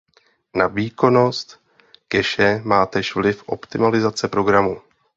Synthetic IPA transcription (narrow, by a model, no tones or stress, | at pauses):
naviːko̞no̞st̪ | kɛʃɛmaːt̪ɛʃvlɪfʔo̞̰pt̪ɪmalɪzat͡sɛpɾo̞ɡɾamu